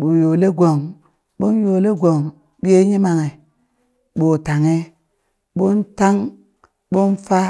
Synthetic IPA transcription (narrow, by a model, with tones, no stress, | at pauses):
ɓu˨jo˨le˦ɡʷo˨ŋ | ɓo˦n˦jo˨le˦ɡʷo˨ŋ | bi˦e˦ɲi˦ma˨ŋe˨ | ɓo˨ta˨ŋe˦ | ɓo˦nta˦ŋ | ɓo˦nfa˦